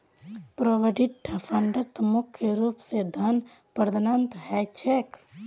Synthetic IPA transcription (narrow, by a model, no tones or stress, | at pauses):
pɾoʋəɖiɖʈʰɐpʰɐɳɖət̪mukʰjəɾuːpsed̪ʱɐn | pəɾd̪ənənt̪ɦɛt͡ʃʰek